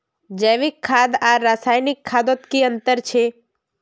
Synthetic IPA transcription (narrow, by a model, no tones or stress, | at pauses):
d͡ʒəjʋikʰːaːd̪aɾaːsaːjnɪkʰːaːd̪ot̪kiənt̪əɾt͡ʃʰe